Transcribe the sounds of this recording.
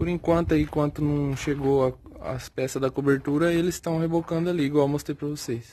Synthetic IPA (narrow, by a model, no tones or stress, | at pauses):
poɾẽŋkwɐ̃nt̪ʊɐikwɐ̃nt̪ʊnɐ̃w̃ʃeɡoɐɐ̰spɛsɐzd̪ɐkobeɾt̪uɾɐelɪsst̪ɐ̃w̃hebokɐ̃nd̪ʊɐliɡoamost̪epɾɐvosejs